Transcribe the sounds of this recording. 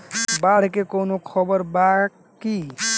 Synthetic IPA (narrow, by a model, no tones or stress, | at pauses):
baɽ̤kekonokʰʌbəɾbak | ki